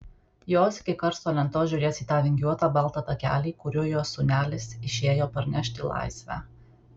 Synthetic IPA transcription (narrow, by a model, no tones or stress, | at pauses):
joːsɪ̥kʲɪkɐɾt̪soːlʲɛnt̪oːʒʲʊɾʲeːsiːt̪ɑːʋʲɪŋʲɡʲjuɔt̪ɑːbɐlˠˑt̪ɑːt̪ɐkʲæ̰ːlʲiːkʊɾʲuːjoːsʊːnʲæːlʲɪsɪʃʲeːjoːpɐɾʲnʲɛʃʲt̪ʲɪlˠɑ̰ˑɪsʲʋʲæ̰ː